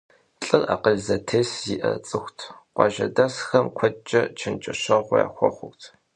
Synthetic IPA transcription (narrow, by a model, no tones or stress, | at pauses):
ɬʼɨra̰ːqəʒzɐtʰeːsiʔɐt͡sʼɨxʷtʰqʷɑ̰ːʒɐdɐsxɐmkʷʰɔt͡ʃʼːɐt͡ʃʰɪnt͡ʃʼɐɕɐʁʷʊja̰ːxʷɔχʷʊktʰ